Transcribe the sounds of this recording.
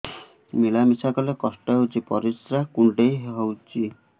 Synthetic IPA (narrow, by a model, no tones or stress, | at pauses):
miɭamisakɔlekɔsʈɔɦot͡ʃipɔɾisɾakuɳɖejɦɦowt͡ʃʰi